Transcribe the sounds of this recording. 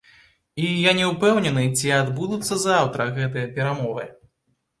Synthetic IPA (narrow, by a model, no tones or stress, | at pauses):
ijanʲɛwpɛwnʲɛnɨt͡sʲiad̪bud̪ut̪sːɐzawt̪ɾɐɣɛt̪ɨjɐpʲɛɾamɔvɨ̰